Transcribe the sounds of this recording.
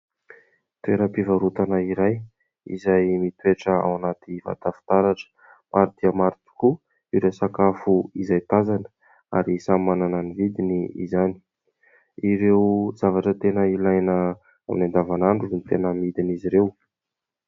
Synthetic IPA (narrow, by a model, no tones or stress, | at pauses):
t̪ueɾəpivaɾut̪anaiɾaj | ḭzajmit̪weʈ͡ʂəa̰wanat̪iva̰t̪afi̥t̪aɾaʈ͡ʂə̥ | mʔaɾit̪iamaɾit̪u̥ku | iɾesakafuizajt̪azanə̥ | a̰ɾisammanananivid̪iniḭzani̥ | iɾewzavaʈ͡ʂət̪enəilajnə | a̰minand̪avanaɳɖ͡ʐuunit̪enəmid̪iniziɾew